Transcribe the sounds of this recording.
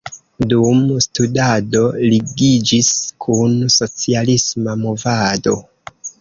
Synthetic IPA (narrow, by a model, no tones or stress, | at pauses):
dumstudado̞liɡid͡ʒiskʰunso̞t͡sialismamovado̞